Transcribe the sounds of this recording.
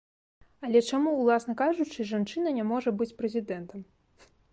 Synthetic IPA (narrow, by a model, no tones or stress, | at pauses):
ɐlʲɛt͡ʂamulˠasnɐkaʐut͡ʂɨʐant͡ʂɨnɐnʲamɔʐɐbɨt͡sʲpɾɛzʲid̪ɛnt̪ɐm